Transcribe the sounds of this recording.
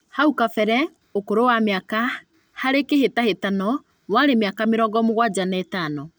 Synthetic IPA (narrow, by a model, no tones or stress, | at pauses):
haukafɛɾɛ | okoɾowamjaka | haɾekehetahetanɔ | waɾemjakameɾɔɡɔmoɣwad͡ʑanaːtanɔ